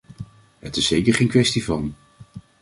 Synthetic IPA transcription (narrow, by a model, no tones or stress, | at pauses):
ɦətɪsːejkəɹχejnkʋɛstivɑn